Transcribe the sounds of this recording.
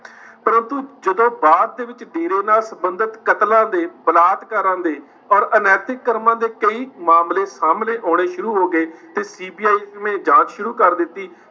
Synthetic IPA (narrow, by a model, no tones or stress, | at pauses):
pəɾənt̪uːd͡ʒəd̪õːbaːd̪̚ːeːʋɪt͡ʃɖeːɾeːnaːlsəbənd̪ət̪kət̪lãːd̪eːbəlaːt̪kəɾãːnd̪eː | ɔːɾənɛːt̪ɪkːəɾmãːd̪eːkəiːmaːmleːsaːmneːʔoːɽ̃eːʃʊɾuːɦoːɡeːt̪eːsiːbiːaːiːmẽːd͡ʒãːt͡ʃʃʊɾuːkəɾd̪ɪt̪ːiː